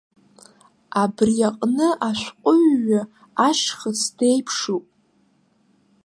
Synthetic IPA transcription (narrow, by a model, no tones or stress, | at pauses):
abrjaqʼnɨʔaʃʷqʷʼʊɥːa | aʃχəsd̥e̞jpʰʂupʼ